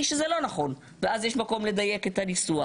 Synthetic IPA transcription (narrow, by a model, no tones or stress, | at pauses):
iʃezelo̞naχo̞n | veazjeʃmako̞mle̞d̪aje̞ket̪hanisua